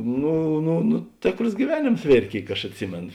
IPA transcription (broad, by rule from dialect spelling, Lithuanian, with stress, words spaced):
ˈnʊ nʊ nʊ ˈtʲeːkroːs ɡʲiːˈʋʲæːˌnʲeːms ˈʋʲeːrʲeː ˈkʲeːɪk ɐʃ ɐtʲˈsʲɪmʲeːnoː